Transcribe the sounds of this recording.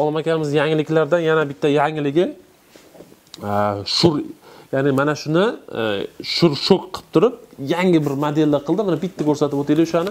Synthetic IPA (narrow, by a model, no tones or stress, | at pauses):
ɒlˠmakʲʰamɪzjaŋɪlɪkʲlaɾd̪anjanabɪt̪ʰːajaŋɪlɪɡʲɪ | ʃʊɾjaːnɪmanaʃʊnɪ | ʃʊɾʃokqʰɨ̥p̚t̪ʰʊɾɪp̚jaŋʲɪbɪɾmad̪elːaqʰɨlˠd̪ɪmanabɪt̪ʰːakʲʰɵɾsat̪ɪpot̪elɪʊʃanɪ